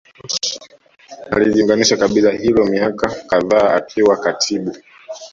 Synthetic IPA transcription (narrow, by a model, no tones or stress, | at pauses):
a̰liliuŋɡaniʃakaɓilahilɔmiakakaðaːa̰kʰiwakatʰiɓu